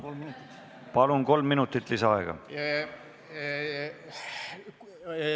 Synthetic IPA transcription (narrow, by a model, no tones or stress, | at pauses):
omnt̪ | pɑlunko̞lmːinut̪ːˑit̪ˑliseɑeɡ̥ɑ̰